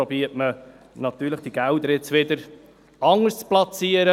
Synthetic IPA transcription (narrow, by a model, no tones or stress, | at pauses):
obiətmə | nɑt̪yːləχd̥iɡ̥æʊd̪əɾɪt͡sʋɪd̪əɾ | ɑŋəst͡splɑt͡siəɾə